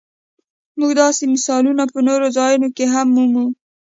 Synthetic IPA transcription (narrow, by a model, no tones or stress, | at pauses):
muɡd̪ɑsemɪsɑlunapənoɾozɑjunokeɦamːumu